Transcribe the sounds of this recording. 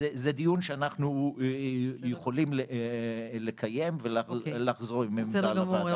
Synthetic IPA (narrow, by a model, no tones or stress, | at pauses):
ezed̪ijunʃeanaχnu | jeχolimle | le̞kʰaje̞mvelalaχzo̞ʁimemudalava